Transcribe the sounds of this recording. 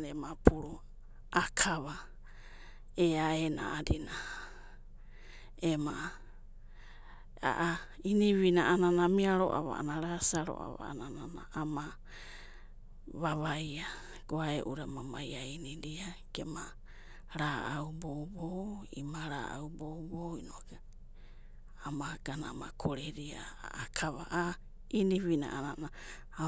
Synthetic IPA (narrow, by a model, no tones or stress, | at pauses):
emapuɾo | akʰaβa | eaena̰adina | ema | a̰ʔa | iniβinaʔananamiaɾo̰ʔa̰βa̰a̰naɾasaɾo̰ʔa̰βa̰anananaama | βaβaja | ɡ̥oaeʔuɾamamajainiɾiaɡ̥ema | ɾaawbowboḭmaɾa̰ʔa̰wbowboinoaɡ̥a | amaɡ̥anaamakʰoɾeɾiaa̰ʔakʰaβaʔa | iniβina̰ʔanana